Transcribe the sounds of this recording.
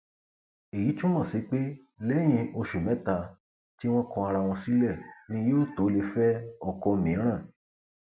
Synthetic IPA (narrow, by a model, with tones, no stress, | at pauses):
e˨ji˨˦tũ˦mɔ̃˦˨si˨˦k͡pe˦ | lɛ˦j̃ĩ˧o˧ʃu˨mɛ̃˦ta˧ | ti˦w̃ɔ̃˦kɔ̃˧a˧ɾa˧w̃ɔ̃˧si˨˦lɛ˦˨nĩ˧˦jo˦˨to˨˦le˧fɛ˦ɔ˨kɔ̃˧mĩ˨˦ɾ̃ã˦˨